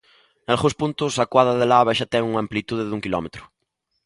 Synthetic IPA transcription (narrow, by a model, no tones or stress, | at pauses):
nalɣũspunt̪ʊsakwaðaðelaaβaʃat̪ɛŋuŋamplit̪uðeðuŋkilɔ̰met̪ɾʊ̥